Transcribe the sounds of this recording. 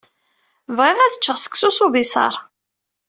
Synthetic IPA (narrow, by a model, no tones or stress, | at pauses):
vʁiʁæθə̥t͡ʃːəʁsə̥kːsusubisɑ̰ɾˤ